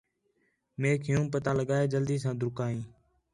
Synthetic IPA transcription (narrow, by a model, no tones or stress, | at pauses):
meːkʰɪjũːpət̪aːləɠaːeːd͡ʒəld̪iːs̬ãːd̪ʱʊɾkaːĩː